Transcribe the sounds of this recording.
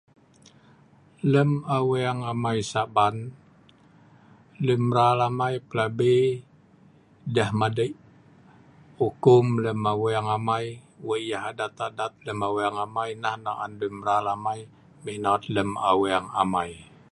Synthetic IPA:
ləmaweaŋamajsaʔban | ləmɾalamajpəlabe | dahmadəʔ | ukʊmləmawaŋamajwəʔjaɦadat̪adat̪̚ləmaweaŋamajnahnaʔa̰nləmɾalamaj | mihnat̪ləma̰weaŋa̰maj

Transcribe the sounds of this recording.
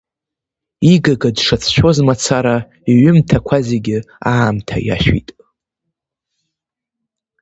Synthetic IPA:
iɡaɡadʂat͡sʰʃᶣo̞zmat͡sʰaɾa | iɥʏmtʰakʷʰazeɡʲɪ | aːmtʰa̰ja̰ʃᶣḭtʼ

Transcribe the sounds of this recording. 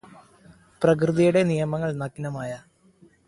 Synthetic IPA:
prɐk̬rɨðijuɽe̞nijɐmɐŋːɐɭnɐkːinɐmaːjɐ

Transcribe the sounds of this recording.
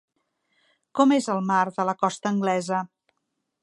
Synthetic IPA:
kɔmezəlˠmaɾðələkɔst̪əːŋɡlɛzə

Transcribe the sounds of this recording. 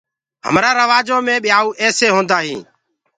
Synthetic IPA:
ɦə̰mɾaːɾəʋaːd͡ʒõːmẽːɓɪjaːuːʔɛːseːɦõːnd̪aːɦḭ̃ː

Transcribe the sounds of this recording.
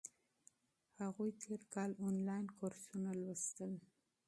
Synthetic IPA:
haɣujt̪ʰeɾkɑlonlɑjnkʰoɾsunalwəst̪əl

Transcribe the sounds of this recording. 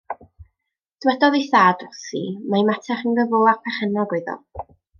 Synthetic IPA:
d̥wɛdɔðiθaːdɔsḭmajmatʰɛχənɡəvoapʰɛχənɔɡʊɨðɔ̰

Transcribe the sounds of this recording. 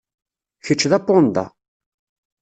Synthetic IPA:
çət͡ʃːðæpːond̪ɑ̰

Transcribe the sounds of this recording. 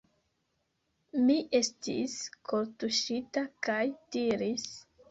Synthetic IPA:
miʔe̞stḭskʰoɾtuʃitakajd̥iɾis

